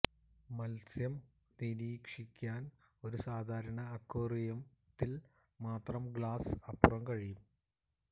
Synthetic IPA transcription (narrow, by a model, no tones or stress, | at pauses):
mɐlsjɐm | niɾiːkʂikʲːaːn | o̞ɾusaːd̪ʱaːɾɐɳɐːkːoːrijɐm | t̪ːil | maːt̪rɐmɡɭaːsɐpːurɐmkɐɻijum